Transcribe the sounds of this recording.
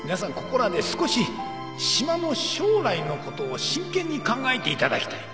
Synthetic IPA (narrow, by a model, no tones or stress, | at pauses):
mʲinasãŋko̞ko̞ɾad̪e̞sɨ̥ko̞ɕi | ɕimano̞ɕoːɾaino̞ko̞t̪o̞ːɕĩŋkẽ̞ɲ̟ːikãŋɡaet̪e̞it̪ad̪a̰kʲi̥t̪ai̥